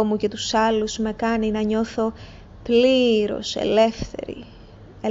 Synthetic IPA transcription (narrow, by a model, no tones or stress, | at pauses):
omuce̞t̪u̥sɐluz̥me̞kɐninɐɲo̞θo̞ | pliɾo̞̰se̞̰le̞fθe̞̰ɾḭ | e